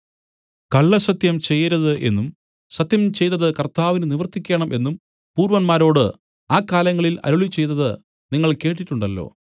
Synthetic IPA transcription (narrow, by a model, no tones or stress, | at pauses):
kɐɭːɐsɐt̪jɐmt͡ɕe̞jːɐɾɐðɨʔe̞̰nːum | sɐt̪jɐmt͡ɕe̞jt̪ːɐðɨkɐrt̪aːʋinɨniʋɐrt̪ːikʲːeɳɐmʔe̞nːum | puːrɾʋɐnmaːɾo̞ːɽɨ | aːkːaːlɐŋːɐɭilɐ̰ɾuɭit͡ɕe̞jt̪ɐðɨ | niŋːɐɭke̞ːʈ̬ːiʈːuɳɖɐlːo̞̰ː